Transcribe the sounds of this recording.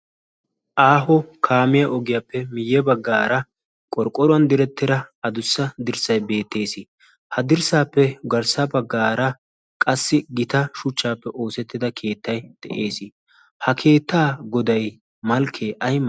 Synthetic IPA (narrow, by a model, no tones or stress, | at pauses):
ʔaːɦɔkʰaːmɪjɐʔɔɡɪjɐpːɛmɪjːɛbɐɡːaːɾɐ | kʼɔɾkʼɔɾʊɐnd̪ɪɾɛt̪ːɪɾɐɐd̪ʊsːɐd̪ɪɾsɐjbe̞ːt̪ːe̞ːsɪ | hɐd̪ɪɾsaːpːɛɡɐɾsɐbɐɡːaːɾɐ | kʼɐsːɪɡɪt̪ɐʃʊt͡ʃːaːpːɛʔo̞ːsɛt̪ːɪd̪ɐkʰe̞ːt̪ːɐjd̪̥ɛʔe̞ːsɪ | hɐkʰe̞ːt̪ːaːɡɔd̪ɐj | mɐlkʰeːʔɐjm